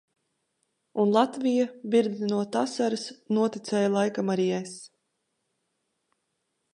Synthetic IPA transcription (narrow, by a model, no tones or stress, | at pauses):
unlˠat̪vijabiɾd̪inuɔt̪asaɾɨsnuɔt̪it̪sɛːjalˠajkamaɾiɛjs